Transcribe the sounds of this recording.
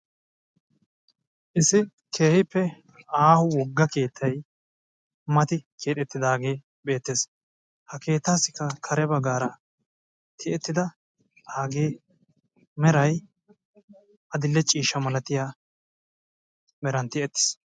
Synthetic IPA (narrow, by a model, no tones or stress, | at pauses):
ʔɪsɪ | kʰe̞ːhɪpːɛ | aːhʊwɔɡːɐke̞ːt̪ʰːɐj | mɐt̪ɪkʰeːᶑ̪ɛt̪ːɪd̪aːɡe̞ː | be̞ːt̪ːeːs | hɐke̞ːt̪ːaːsɪkːɐkʰɐɾɛbɐɡaːɾɐ | t̪ʰɪʔɛt̪ːɪd̪ɐ | aːɡeː | mɛɾɐj | ɐd̪ɪlːɛt͡ʃʼiːʃɐmɐlɐt̪ɪjaː | mɛɾɐnt̪ɪʔɛt̪ːɪ̥s